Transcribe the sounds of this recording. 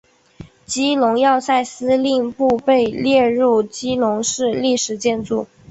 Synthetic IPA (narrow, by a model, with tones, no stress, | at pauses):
t͡ɕi˥lʊ˧˥ŋjɑ˥˧ʊsa˥˩ɪsɹ̩˥li˥˧ŋpu˥˧pe˥˧ɪljɛ˥˧ɻu˥˩t͡ɕi˥lʊ˧˥ŋʂɻ̩˥˧li˥˩ʂɻ̩˨˩t͡ɕjɛ˥˧nt͡su˥˩